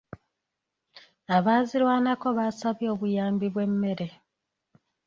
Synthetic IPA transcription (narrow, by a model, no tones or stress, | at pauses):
aβaːzilwaːnako̞βaːsaβjo̞ːβujaːmbiβwe̞mːe̞ɾe̞